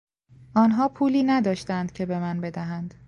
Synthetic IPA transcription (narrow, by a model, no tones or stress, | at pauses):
ʔɒːnɦɒːpʰuːliːnæd̪ɒːʃt̪ænd̪̥̚cʰe̞be̞mænbe̞d̪æɦænd̪̥